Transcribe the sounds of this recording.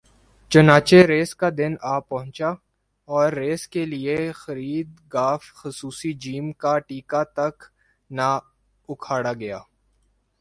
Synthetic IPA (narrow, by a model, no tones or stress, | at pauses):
t͡ʃɐnaːt͡ʃeɾeːskad̪ɪnaːpɐɦʊ̃nt͡ʃa | ɔːɾːeːskeliexɐɾiːd̪ɡaːfxʊsuːsid͡ʒiːmkaʈiːkat̪ɐk | na | ʊkʰaːɽaɡɐjaː